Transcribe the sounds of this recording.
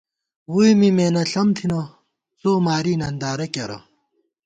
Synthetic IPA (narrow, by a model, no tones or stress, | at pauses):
wujmimeːnɐɬɐmt̪ʰinɐ | t͡soːmaːɾiːnɐnd̪aːɾɐkɐɾɐ̰